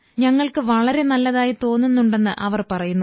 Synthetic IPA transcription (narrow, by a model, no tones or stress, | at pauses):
ɲɐŋːɐɭkɨʋɐɭɐɾe̞nɐlːɐðaːjit̪o̞ːnːunːuɳɖe̞nːɨʔɐʋɐrpɐrɐjunːu